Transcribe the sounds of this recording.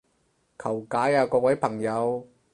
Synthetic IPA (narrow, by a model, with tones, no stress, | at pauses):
kʰɐ˨˩wkaː˨˥jaː˨˧kɔː˧k̚wɐ˨˥jpʰɐ˨˩ŋjɐ˨˧w